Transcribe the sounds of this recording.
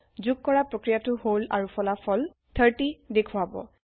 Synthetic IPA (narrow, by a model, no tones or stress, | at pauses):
zuɡ̚kɔɹapɹokɹijatʊhola̰ɹupʰɔlafʰɔl | t̪ʰəɹtidekʰuwabɔ̰